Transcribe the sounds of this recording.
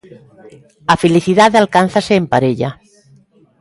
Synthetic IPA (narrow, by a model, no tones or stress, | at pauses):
afeliθiðaðalkan̟θaseːmpaɾeʎa